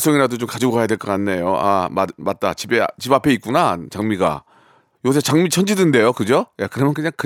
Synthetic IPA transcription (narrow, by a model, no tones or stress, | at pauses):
s͈ʌŋiɾadot͡ɕomkad͡ʑiɡoɡajadweɭk͈ʌk͈anːejoʔa̰mamat̚t͈a̰t͡ɕibet͡ɕibapʰe̞it̚k͈unat͡ɕaŋmiɡa̰ | oʌs̬ʰet͡ɕaŋmit͡ɕʰʌnd͡ʑidɯnde̞jokɯd͡ʑojakɯɾʌmjʌnkɯɲaŋkɯ